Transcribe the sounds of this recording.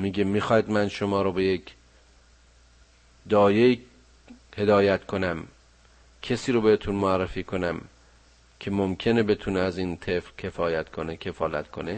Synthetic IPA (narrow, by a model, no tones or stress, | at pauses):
miːɡemiːxɒːjd̪mænʃomɒːɾobejekʰ | d̪ɒːje | he̞d̪ɒːjæt̪kʰo̞næm | kʰesiːɾobehet̪ʰunmoærːefiːkʰo̞næm | kʰe̞momkʰe̞nebe̞t̪ʰuneæziːnt̪ʰefɾcʰe̞fɒːjæt̪kʰonekʰe̞fɒːlæ̰t̪kʰo̞ne